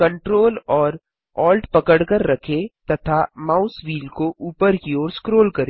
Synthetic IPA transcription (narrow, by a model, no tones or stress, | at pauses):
kɐ̃ɳʈɾoːlɔːɾ | ɔːlʈpɐkəɽkəɾːɐkʰet̪ɐt̪ʰamaːʊsʋiːlkoʔuːpəɾkioːɾskɾoːlkɐɾe